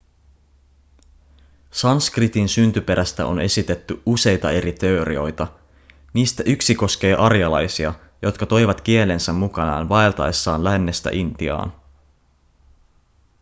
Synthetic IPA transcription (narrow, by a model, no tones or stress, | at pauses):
sɑnskrit̪insynt̪ype̞ɾʔæst̪æ̰o̞̰ne̞sit̪e̞t̪ːyuse̞jt̪ɑe̞ɾit̪e̞oɾio̞jt̪ɑ | niːst̪æʔyksiko̞sk̟e̞ːʔɑrjɑlɑjsiɑ | jo̞t̪kɑt̪o̞jʋɑt̪k̟ie̞le̞nsæmːukɑnɑ̰ːnʋɑelt̪ɑe̞sːɑːnlænːe̞st̪æ̰ʔind̪̥iɑ̰ːn